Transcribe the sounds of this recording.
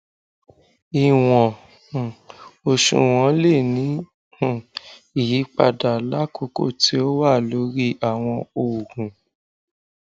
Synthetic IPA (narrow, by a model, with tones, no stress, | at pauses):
i˨w̃ɔ̃˨ | o˧ʃṵ̃˨w̃ɔ̃˨˧˦le˦˨nĩ˨˦˨ | i˨ji˨˦k͡pa̰˧da˨la˦kʰo˦ko̰˦˨ti˦o˦wa˦˨lo˨˦ɾi˦a˨w̃ɔ̃˧o˨ɡũ˨